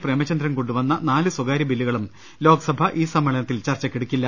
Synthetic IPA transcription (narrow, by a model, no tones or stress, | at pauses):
preːmɐt͡ɕːɐnd̪ɾɐnkoɳɖuʋɐnːɐnaːlɨswɐɡaːɾibilːuɣɐɭum | lo̞ːɡɐsɐbʱɐʔiːsɐmːɐɭɐnɐt̪ːilt͡ɕɐrt͡ɕːɐkːiɽukʲːilːɐ